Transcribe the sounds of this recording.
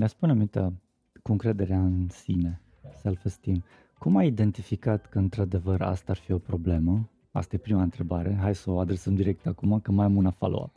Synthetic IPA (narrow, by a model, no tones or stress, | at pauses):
neaspuneamint̪a | kuɨŋkɾe̞d̪e̞ɾeaɨnsine̞ | səlfəst̪im | kumaid̪e̞nt̪ifikat̪kəɨnt̪ɾad̪e̞vəɾa̰st̪aarfio̞pɾo̞ble̞mə | a̰st̪aje̞pɾimaɨnt̪ɾe̞baɾe̞ɦajsəoad̪ɾe̞səmd̪iɾe̞k̚t̪akumakəmajamunafa̰lo̰a̰